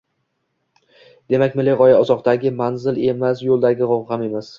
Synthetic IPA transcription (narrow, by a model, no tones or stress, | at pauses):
d̪̥e̞makʲmɪleʁɒjaɒzɒqt̪aɡʲɪmanzɪle̞masjolˠd̪aɡʲɪʁɒwhame̞mas